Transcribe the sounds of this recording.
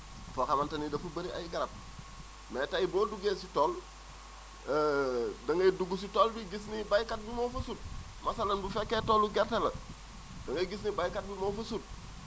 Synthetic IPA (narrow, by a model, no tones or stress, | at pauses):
fokamantanidafubɐɾia̰jiɡaɾat̚ | meːtaiboːduɡesitoːl | dɐŋɡɐiduɡus̬itoːlbiɡis̬nibajkat̚bimoːfɐsut̚ | masalanbufekːetoːluɡeɾtelɐ̰ | d̥ɐŋɡɐɡis̬nibajkat̚bimofusut̚